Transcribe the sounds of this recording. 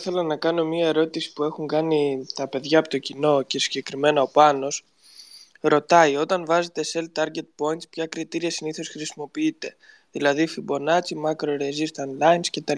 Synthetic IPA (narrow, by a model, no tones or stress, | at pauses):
θelɐnɐkɐno̞miɐe̞ɾo̞t̪isi̥pue̞xuŋɡɐnit̪ɐpe̞ðʝɐːpot̪o̞cino̞ce̞si̥ɟe̞kɾime̞nɐo̞pɐno̞s | ɾo̞t̪ɐio̞t̪ɐnvɐze̞t̪e̞se̞lt̪ɐɾʝe̞t̪̚po̞int̪spçɐkɾit̪iɾiɐsiniθo̞sxɾisimo̞piit̪e̞ | ðilɐðifibo̞nɐt͡simɐkɾo̞ɾe̞zist̪ɐnlɐjnsce̞t̪ɐl